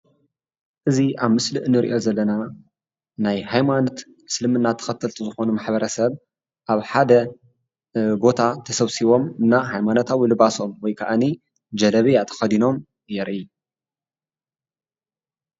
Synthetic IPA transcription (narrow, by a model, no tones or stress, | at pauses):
ʔɨziʔaβmɨslɨʔɨnɨɾḭʔo̞zɐlːɐna | najhajmano̞t̪ | slɨmɨnːat̪ʰɐ̥xɐt̪ʰɐlt̪ʰuzɨxo̞numaħbɐɾɐsɐβ | ʔaβħad̪ɐ | bo̞t̪ʰat̪ʰɐsɐβsiβo̞mɨnːaɦajmanot̪ʰawilɨβaso̞mwɔjkʰɐaʔani | d͡ʒɐlɐβijat̪ʰɐ̥xɐd̪ino̞m | jɛɾʔi